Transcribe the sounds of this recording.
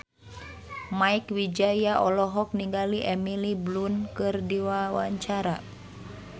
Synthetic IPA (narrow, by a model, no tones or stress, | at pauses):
maikwid͡ʒajaʔɔlɔɦɔk̚niŋɡaliʔɛmiliblunkɨrdiwawa̰ɲt͡ʃaɾa